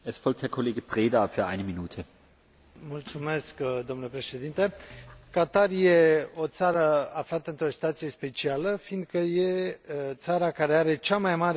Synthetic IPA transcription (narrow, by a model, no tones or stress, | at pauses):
ʔɛsfɔlk̚thɛɐkʰoleːɡəpʁ̥eːdafyːɐʔa̰ɪnəminuːtʰə | mult̪sume̞skd̪o̞mnulepɾe̞ʃe̞d̪int̪ekat̪arje̞o̞t̪saɾəaflat̪əɨnt̪ɾo̞si̥t̪at̪sije̞spe̞t͡ʃialəfind̪̚kəje̞t̪saɾakaɾe̞aɾe̞t͡ʃamajmaɾ